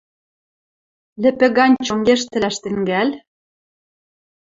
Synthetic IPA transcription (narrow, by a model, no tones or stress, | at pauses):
lɘ̆pɘ̆ɣɑnʲt͡ɕoŋɡeʃ̬t̪ɘ̆læʃt̪ɘ̆ŋɡælʲ